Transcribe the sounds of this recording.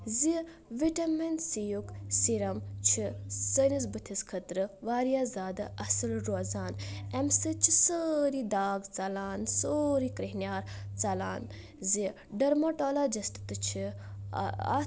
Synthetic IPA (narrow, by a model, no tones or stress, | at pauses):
zi | ʋiʈɐmensijuksiɾɐmt͡ʃʰisənis̬bɨt̪ʰiskʰɐt̪ɾɨʋaːɾijaːzaːd̪ɨɐsɨlɾoːzaːnɛmsɨt͡ʃʰisəɾid̪aːɡt͡sɐlaːnsoɾikɾiɦnjaːɾt͡sɐla̰ːn | zi | ɖɐɾmoʈoːlad͡ʒisʈt̪ɨt͡ʃʰḭ